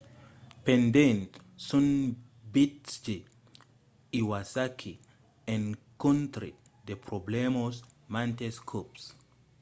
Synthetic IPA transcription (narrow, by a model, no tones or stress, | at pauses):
pɛndɛntsun | bitd͡ʒi | iwasakʰi | ɛnkontɾḭ | depɾɔblɛmɔsmantɛskʰops